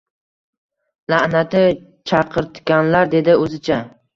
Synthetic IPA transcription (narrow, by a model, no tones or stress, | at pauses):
laʔnat̪ɪ | t͡ʃʰɑqʰɨɾt̪ɡʲanlaɾd̪e̞d̪ɪɵzɪt͡ʃʰa